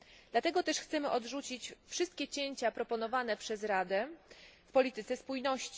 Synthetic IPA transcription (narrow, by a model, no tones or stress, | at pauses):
d̪̥lat̪ɛɡɔt̪ɛʂxt̪sɛmɘʔɔd̪ʐut͡ɕit͡ɕfʂɘst̪̚kʲɛt͡ɕeɲt͡ɕapɾɔpɔnɔvanɛpʂɛzɾad̪ɛfpɔlʲit̪ɘt̪sɛspujnɔɕt͡ɕi̥